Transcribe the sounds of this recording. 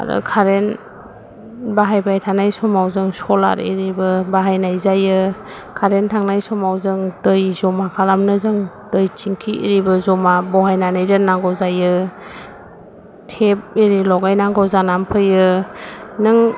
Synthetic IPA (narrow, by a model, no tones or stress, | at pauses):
a̰ɾɯ̰kʰaɾen | baɦajbajtʰanajsɔmawzɯŋsɔla̰ɾḭɾibɯbaɦajnajzajɯ | kʰaɾentʰaŋnajsɔmawzɯŋdɯjzɔmakʰalamnɯzɯŋ | d̥ɯjt͡ʃiŋkʰiʔḭɾibɯzɔmabɔɦajnanajdɯnːaŋɡɔzajɯ | tʰep̚iɾilɔɡajnaŋɡɔzanampʰɯjɯ | nɯŋ